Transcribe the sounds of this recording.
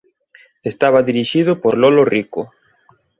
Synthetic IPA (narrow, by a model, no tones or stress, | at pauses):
est̪aβaðiɾiʃið̞ʊpoɾlɔloriko